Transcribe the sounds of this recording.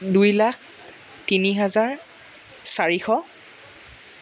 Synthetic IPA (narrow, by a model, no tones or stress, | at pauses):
dujlak̚ʰ | tiniɦɛzaɹ | saɹixɔ